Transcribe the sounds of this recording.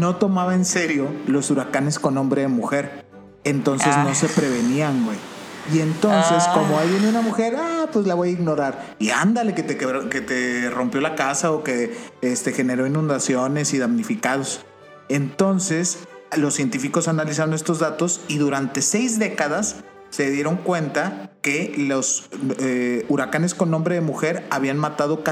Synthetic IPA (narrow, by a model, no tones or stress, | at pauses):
no̞t̪o̞maβaense̞ɾjo̞lo̞suɾakane̞sko̞nõ̞mbɾe̞ðemuxe̞ɾ | ent̪o̞nsezno̞se̞pɾeβ̞e̞niaŋɡwej | ie̞nt̪onsesko̞moajβend̪unamuxe̞ɾapwezlaβo̞jaiɣno̞ɾaɾ | ia̰nd̪ale̞ket̪ekeɾoket̪ero̞mpjo̞lakasaoke̞est̪e̞xe̞ne̞ɾo̞inũnd̪asjo̞ne̞siðamnifikaðo̞s | e̞nt̪o̞nse̞slo̞sːje̞nt̪ifiko̞sanalis̬aɾo̞ne̞st̪o̞zðat̪o̞siðuɾant̪e̞se̞jzðe̞kaðasː | e̞ðje̞ɾo̞ŋkwe̞nt̪ake̞loseuɾakane̞sko̞nːombɾeðemuxe̞ɾaβianmat̪að̞o̞ka